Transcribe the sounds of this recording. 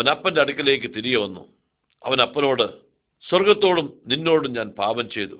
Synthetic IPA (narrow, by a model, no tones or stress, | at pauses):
ɐɐnɐpːɐndeɐɽukʲːɐle̞ːk̬ʲːɨt̪iɾijɐʋɐnːṵ | ɐʋɐnɐpːɐno̞ːɽɨ | swɐrɡɐt̪ːo̞ːɽumninːo̞ːɽumɲaːnpaːbɐmt͡ɕe̞jt̪ṵ